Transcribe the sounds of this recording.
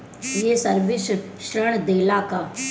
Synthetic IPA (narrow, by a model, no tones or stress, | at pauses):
jesəɾʋɪs | ʃɾəɽ̃d̪eːlakaː